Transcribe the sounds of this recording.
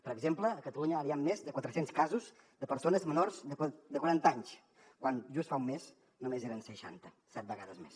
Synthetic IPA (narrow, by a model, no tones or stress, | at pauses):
pəɾəɡzempləːkət̪əluɲəaɾiamːezd̪əkwat̪ɾəsenskazuz | d̪əpəɾsonəzmənorzðəd̪əkwəɾant̪aɲs | kwanʒust̪faumːes | numezeɾənsəʃa̰nt̪ə | sɛt̪̚bəɣaðəzmes